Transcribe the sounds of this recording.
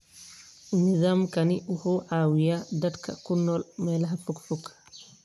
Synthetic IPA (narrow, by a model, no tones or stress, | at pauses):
nɪzaːmkɐnɪwʊhuːʕaːwɪjaːd̪ɐd̪kʰɐ̰kʊnːɔːlmɛːlɐɦɐfuɡfukʰː